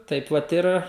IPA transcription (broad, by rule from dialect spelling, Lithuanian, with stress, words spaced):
ˈtɐɪp ʋɐt ˈɪr